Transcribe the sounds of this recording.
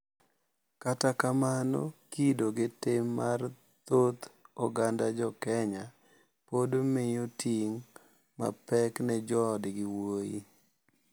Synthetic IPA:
katakamano̰kidoɡɪtɪmːar | t̪ot̪ɔɡandad͡ʒɔkɛɲa | podmɪjotiŋ | ma̰pɛknɛd͡ʒɔdɡɪwojḭ

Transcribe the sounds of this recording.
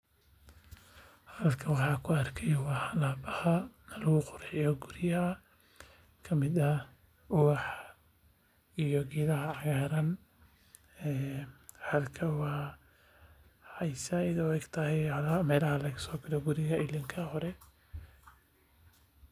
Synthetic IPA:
hɐlkʰɐwɑħɑːkʰʊɐrkʰɛjwɑːħɐlaːbɐhɐnɐlɐɣʊqʊɾʕɪjɔɡʊɾɪjɐ | kʰɐmɪdɐ | ʊwɑħ | ijɔɡiːlɐɦɐʕɑɣaːɾɐn | ɛːhɐlkʰɐwɑː | ħɑjsɐɪðɐwɛɡt̪ʰɐhɛjhlamɛːlɐhɐlɛkɐsɔːkʰɐlɛɡʊɾɪɣɐʔɪlɪŋkʰɐhɔɾɛ

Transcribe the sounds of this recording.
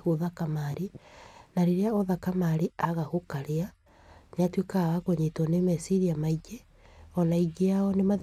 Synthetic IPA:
hoðakamaɾinaɾeɾeaoðakamaɾiaɣahokaɾea | neatwekawaɣoɲetɔnemɛsiɾiamaiɡe | ɔnaiɡeaɔnema

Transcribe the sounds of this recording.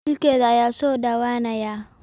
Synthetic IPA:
ɪlkʰɛːðɐɐjaːsɔːɖɐwaːnɐjaː

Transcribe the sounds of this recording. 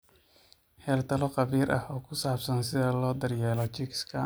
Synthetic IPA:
hɛːrt̪ʰɐlɔqɑβiːɾʔɐhɔːkʰʊsaːbsɐnsɪðɐlɔːd̪ɐrjɛːlɔt͡ʃɪkskʰɐ

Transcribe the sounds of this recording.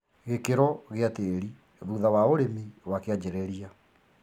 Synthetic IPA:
ɣekeɾɔɣeateɾi | ðuðawaoɾemiwakead͡ʑeɾeɾia

